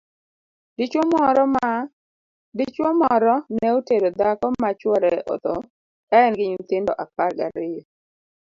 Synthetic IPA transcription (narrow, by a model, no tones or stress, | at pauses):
dit͡ʃwomɔɾɔm | dit͡ʃwɔmɔɾɔnɛoteɾod̪akɔmat͡ʃwɔɾɛʔɔ̰t̪ɔ | kaɛnɡɪɲint̪ɪndɔ̰ʔap̚alɡaɾɪjɔ